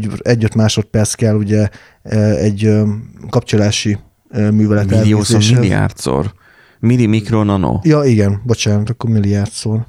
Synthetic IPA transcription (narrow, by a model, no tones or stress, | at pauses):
ɛɟːøt̪maːʃo̞t̪̚pɛrt̪skɛlːuɟɛ | ɛɟøkɒpt͡ʃolaːʃi | myːvɛlɛt̪aːoszeːʃilia̰rt̪so̰ːr | milimikɾonɒno̰jɒiɡɛnbo̞t͡ʃaːnɒt̪ɒkːormiliart̪soːr